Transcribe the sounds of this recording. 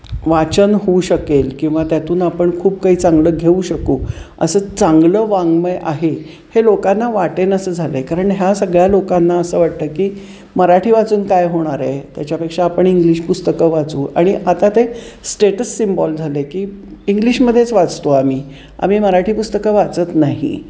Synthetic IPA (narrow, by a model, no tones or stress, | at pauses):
ʋat͡ɕənɦouɕəkelkĩw̃ʋat̪jat̪uːnapəɳkʰuːbkaɦiːt͡sãŋɡləɡʱeuɕəkuːə̰səːt͡saŋɡləʋaŋɡməjʔaɦe | helokanːaʋaʈenəsəːd͡zʱalekaɾəɳɦjasəɡɭjalokanːaəsəːʋaʈ̚t̪əːkiː | məɾaʈʰiːʋat͡suːnkajɦoɽ̃aɾajt̪jat͡ɕjapekʂaːpəɳiŋɡliɕpust̪əkəʋat͡suːa̰ɽ̃iʔat̪at̪esʈeʈəsːimbɔld͡zʱalekiːiŋɡliɕməd̪ʱjet͡sʋat͡st̪oamiː | a̰miːməɾaʈʰiːpust̪əkəʋat͡sət̪naɦḭ